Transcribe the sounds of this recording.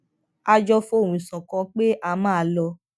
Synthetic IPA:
a˧d͡ʒɔ˧fo˦˨wũ˨i˨sɔ̃˨kɔ̃˨˧k͡pe˦ʔa˧mãː˦˨lɔ˧

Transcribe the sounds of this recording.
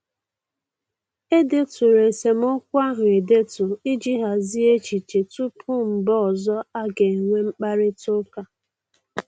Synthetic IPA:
e˦de˦tʊ˨ɾe˨se˨m˦ʊ˦kʷa˦ɦʊ˨e˨de˦tʊ˨i˦d͡ʒi˦ɦa˨zi˦e˦t͡ʃi˨t͡ʃe˨tu˦pʰʊ˦m̩˨bɔ˦ɔ˨zɔ˦a˦ɡe˨ŋʷe˦ŋ͡m̩˦k͡pa˦ɾɪ˦to˦ka˦

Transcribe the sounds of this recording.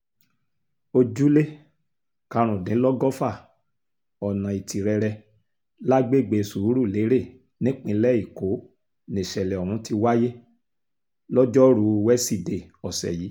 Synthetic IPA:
o˧d͡ʒu˦le˦ | ka˧ɾ̃ũ˨dĩ˨˦lɔ˦ɡɔ˦fa˦˨ | ɔ˨nã˨i˨tʰi˨ɾɛ˧ɾɛ˧ | la˦ɡ͡be˦˨ɡ͡be˧˨su˨u˨˦ɾu˦˨le˨˦ɾe˦˨ | nĩ˦k͡pĩ˧˦lɛ˦i˨ko˨˦ | nĩ˨ʃɛ˨lɛ˨ɔ˨ɾ̃ũ˨˦ti˧wa˦je˦ | lɔ˦d͡ʒɔ˦ɾu˨˧wɛ˦si˦˨de˨ɔ˨sɛ̰˨ji˨˦

